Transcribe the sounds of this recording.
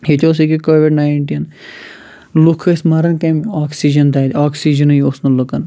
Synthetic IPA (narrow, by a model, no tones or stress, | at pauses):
hit͡ʃos̬ikikoːʋiɖnaːɳʈin | lukʰɐsmɐɾɐnkɐmaːksid͡ʒɐnt̪at̪ʲaːksid͡ʒɐnɐosnɐlukɐn